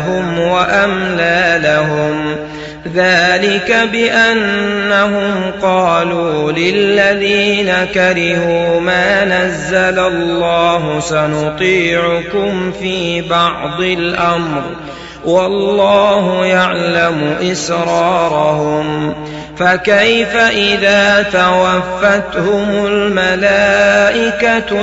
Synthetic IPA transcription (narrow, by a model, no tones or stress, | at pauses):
ɦʊmwaʔamlaːlaɦʊm | ðaːlɪkabɪʔanːaɦʊmqɑːluːlɪlːaðiːnakaɾɪhuːmaːnazːalalːɑːɦʊsanʊt̪ˤiːʕʊkʊmfiːbɑʕd̪ˤɪlʔamɾ | wɑlːɑːɦʊjaʕlamʊʔɪsɾɑːɾˤɑhʊm | fakajfaʔɪðaːt̪awafːat̪hʊmʊlmalaːʔɪka